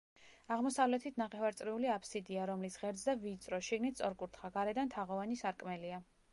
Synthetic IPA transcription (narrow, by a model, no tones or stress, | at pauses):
aʁmɔsavlɛt̪ʰit̪ʰnaχɛvaɾt̪sʼɾiuliapʰsid̪iaɾɔmlisʁɛɾd̪zd̪aviːt̪sʼɾɔʃiɡnit̪ʰsʼɔɾkʼuɾt̪ʰχaɡaɾɛd̪ant̪ʰaʁɔvanisaɾkʼmɛlia